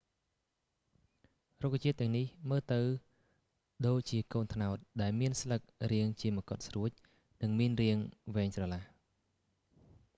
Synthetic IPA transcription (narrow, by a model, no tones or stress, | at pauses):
rokːt͡ɕiət̪ːɛ̆əŋnihməːlt̪ɨw | ɗoːc̚t͡ɕiəkoːnt̪ʰnaɔt̪̚ɗaɛlmiənslɨk̚riəŋt͡ɕiəmə̆kot̪̚sruəc̚ | nɨŋmiənriəŋʋɛːŋsrɑlah